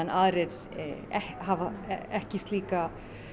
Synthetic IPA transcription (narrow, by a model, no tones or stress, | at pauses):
ɛnʔaːðɾɛɾ | ɛhhavaɛhcɪst̪liːka